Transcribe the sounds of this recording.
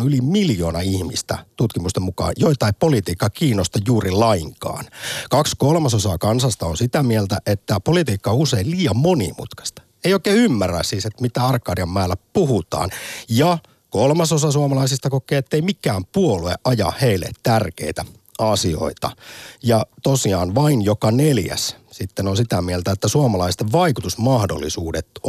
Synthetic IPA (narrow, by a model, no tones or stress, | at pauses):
ylimiljoːnɑihmḭst̪æ̰t̪ut̪kimust̪emukɑ̰ːjoit̪ˑɑipolit̪iːkːɑkiːnːost̪ɑjuːrilɑiŋkɑ̰ːnkɑkskolmɑsosɑkɑnsɑst̪ɑonsit̪æmielt̪æʔet̪ːæpolit̪iːkːɑouseilliːɑmmonḭmṵt̪kɑ̥st̪ɑ̥ | eijoikːˑeːymːæræ̰sːiset̪mit̪æːɑrkːɑːriɑmːæːlːæpuhut̪ɑ̰ːnjɑ | kolmɑsosɑsuɑmɑlɑisist̪ɑkokːˑeːet̪ːeimikːˑæːmpuolueʔɑjɑ̰heilːḛt̪t̪ærkḛit̪æ̰ | ɑsio̰it̪ɑ̰jɑt̪osiɑ̰ːnʋɑinjokɑneljæ̰ssit̪ːenonsit̪æmielt̪æet̪ːæsuomɑlɑist̪eʋʋɑikut̪usmɑhdo̰lːḭsuːdet̪